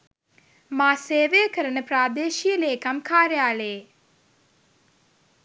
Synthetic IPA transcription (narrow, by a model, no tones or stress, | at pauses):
maːseːʋejəkəɾənəpɾaːd̪eːʃijəleːkamkaːɾjaːləje